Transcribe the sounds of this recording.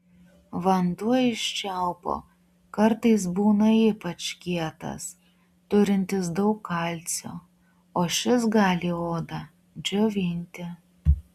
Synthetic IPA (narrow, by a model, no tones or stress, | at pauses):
ʋɐnd̪uɔɪʃʲt͡ʃʲæˑʊpo̰ː | kɐɾt̪ɐɪs̬buːnɐiːpɐt͡ʃkʲiɛt̪ɐ̰s | t̪ʊɾʲɪnʲt̪ʲɪsd̪ɐʊkʰːɐlʲt̪sʲo̰ː | oːʃʲɪsɡɑːlʲioːd̪ɐ | d͡ʒʲoːʋʲɪnʲt̪ʲɪ